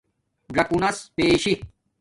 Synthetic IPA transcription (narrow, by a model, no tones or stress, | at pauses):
ɾɐkunɐspeːɕi